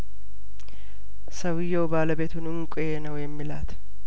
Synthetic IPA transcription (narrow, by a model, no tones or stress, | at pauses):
sɐwɪjoːbaːlɐbeːt̪ʊnʊŋkʼʊjeːnɐweːmːɪlaːt̪ɐ̥